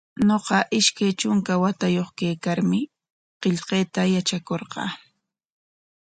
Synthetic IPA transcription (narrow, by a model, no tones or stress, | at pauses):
noqɑʔɪʃkajt͡ʃʊŋkawat̪ajoχkejkaɾmɪ | qeʎqeːt̪ajat͡ʃakoɾqɑ̰ː